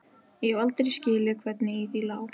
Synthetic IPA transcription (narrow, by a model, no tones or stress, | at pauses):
jɛvalt̪ɾiscɪːlɪkʰvɛt̪nɪiθilaːw